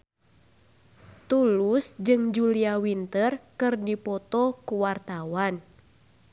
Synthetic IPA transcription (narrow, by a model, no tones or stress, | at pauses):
t̪ulusd͡ʒɨŋd͡ʒuliawint̪ərkɨrdipɔt̪ɔkuwart̪awan